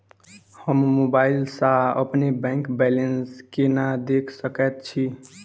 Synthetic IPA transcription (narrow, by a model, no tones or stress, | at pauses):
həmːobailsaə̰pnebɛ̃kbɛlenskenad̪ekʰsəkɛt̪̚t͡ʃʰi